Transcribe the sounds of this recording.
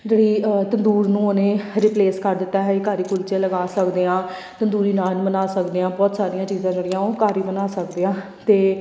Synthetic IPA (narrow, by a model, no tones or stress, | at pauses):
d͡ʒeːɽiːt̪ənd̪uːɾnũːonẽːɾɪpleːskəɾd̪ɪt̪ːaːɦɛkaːɾiːkʊlt͡ʃãːləɡaːsəkd̪eːãː | t̪ənd̪uːɾiːnaːnbənaːsəkd̪eːãːbɔːt̪saːɾijãːt͡ʃiːzãːd͡ʒeːɽɪjãːõːkaːɾiːbənaːsəkd̪eːãː | t̪eː